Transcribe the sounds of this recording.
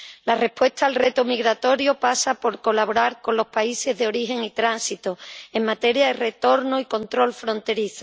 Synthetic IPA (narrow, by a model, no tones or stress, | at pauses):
lare̞hpwe̞st̪aːlre̞t̪omiɣɾat̪o̞ɾjopasapo̞ɾko̞laβoɾaɾko̞nlo̞spaise̞zðeo̞ɾiɦe̞ŋit̪ɾansit̪oe̞ŋmat̪e̞ɾjaðe̞re̞t̪o̞ɾnoiko̞nt̪ɾo̞lfɾõ̞nt̪e̞ɾiθo